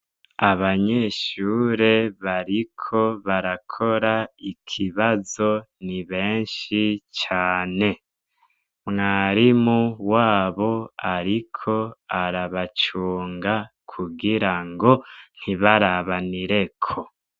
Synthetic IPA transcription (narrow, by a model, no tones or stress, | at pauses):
aβaɲeʃuːɾe̞βaɾikʰo̞βaɾakʰo̞ɾaikʰiβazo̞niβe̞ːnʃit͡ʃaːne̞ | mŋaːɾimuwaːβo̞aɾikʰo̞aɾaβat͡ʃuːŋɡa | kʰuɡiɾaŋɡo̞n̥hiβaɾaβaniɾe̞kʰo̞